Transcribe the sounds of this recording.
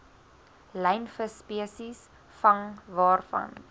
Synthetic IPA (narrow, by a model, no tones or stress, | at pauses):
lɛjnfəspiəsis | fɐŋvɑːrfɐ̰n